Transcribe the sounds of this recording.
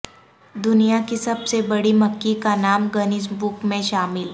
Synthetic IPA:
d̪ʊnijakisɐbsebɐɽimɐkːikanaːmɡənɪsbʊkmẽʃaːmɪl

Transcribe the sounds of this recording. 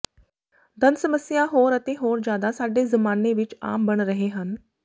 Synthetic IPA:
d̪ʱənsəməsjaɦoːɾɐt̪eɦoːɾd͡ʑjaːd̪asaːɖezəmaːneʋit͡ʃa̰ːmbəɳɾəɦeɦən

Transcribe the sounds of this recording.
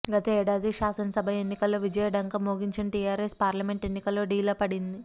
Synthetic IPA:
ɡɐt̪ɐɛːɽaːd̪iʃaːsɐnɐsɐbʱɐe̞nːikɐlːo̞ːʋid͡ʒɐjɐɖɐŋkɐmoːɡiɲt͡ʃɐnʈiːjaːɾeːspaːɾlɐme̞ɳʈe̞nːikɐlːo̞ːɖiːlɐpɐɽind̪i

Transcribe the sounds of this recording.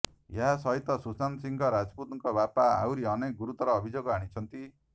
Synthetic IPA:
jaɦasʌɦit̪ɔsusansiŋɡɔɾad͡zput̪uŋkɔbapaa̰wɾiʌnek̚ɡuɾut̪ɔɾɔːbʱid͡ʒoɡɔɦaɽ̃it͡sʰʌnt̪i

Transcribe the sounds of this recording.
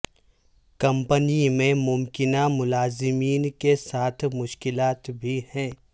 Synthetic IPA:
kɐ̃mpənimẽmʊmkɪnamʊlaːzɪmiːnkesaːt̪ʰmʊʃkɪlaːt̪bʱihɛ̃ː

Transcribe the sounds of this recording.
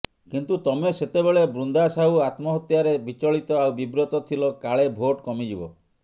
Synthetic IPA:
kint̪ut̪ɔmeset̪ebeɭebɾund̪asaɦuat̪mɔɦɔt̪jaɾebit͡ʃɔɭit̪ɔawbibɾɔt̪ɔt̪ʰilɔkaɭebʱoʈkɔmid͡ʒibɔ

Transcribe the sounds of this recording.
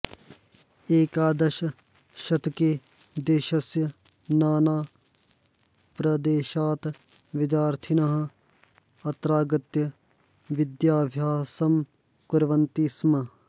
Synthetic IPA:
eːkaːd̪ɐʃɐ | ʃɐt̪ʰke | d̪eːʃɐsjɐ | naːnaː | pɾɐd̪eːʃaːt̪ | ʋɪd̪jaːɾt̪ʰinɐɦɐ̆ | ɐt̪ɾaːɡɐt̪jɐ | ʋɪd̪jaːbʱjaːsɐm | kʊɾʋɐnt̪iːsmɐ

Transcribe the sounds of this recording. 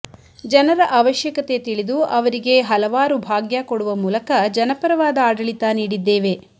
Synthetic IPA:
d͡ʒɐnɐɾɐʔɐʋɐʃjɐkɐt̪e̞t̪iɭid̪uɐʋɐɾiɡe̞ɦɐlɐʋaːɾubʱaːɡjakoɽuʋɐmuːlɐkɐd͡ʒɐnɐpɐɾɐʋaːd̪ɐaːɖɐɭit̪aniːɽid̪ːeːʋe̞

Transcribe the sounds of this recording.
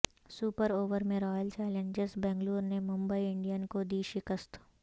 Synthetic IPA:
suːpəɾoːʋəɾmẽɾɔːjəlt͡ʃɛːlẽɲd͡ʒɪzbɛ̃ːŋɡluːɾnemʊ̃mbəiɪ̃ɳɖijənkod̪iːʃɪkəst̪ʰ

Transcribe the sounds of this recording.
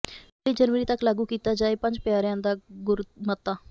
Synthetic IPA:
ɽiːd͡ʒəɾməɾiːt̪əklaːɡuːkiːt̪aːd͡ʒaːeːpə̃ɲd͡ʒpɪjaːɾjãːnd̪aːɡʊɾmət̪ːaː

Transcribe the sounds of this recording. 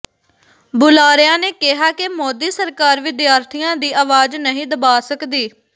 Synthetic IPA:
bʊlaːɾɪjãːneːkɪɦaːkɪmoːd̪iːsəɾkaːɾʋɪd̪jaːɾt̪ʰijãːd̪iːʔaːʋaːd͡ʒnəɦĩːd̪əbaːsəkd̪iː

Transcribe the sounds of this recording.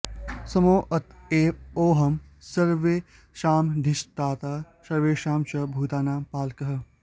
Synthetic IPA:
sɐmoːʔɐt̪eːoːɦɐmsɐɾʋeː | ʃaːmɖ̪ʱɪʃt̪aːt̪aː | sɐɾʋeːʃaːmt͡ʃɐbʱuːt̪aːnaːpaːlkɐɦɐ

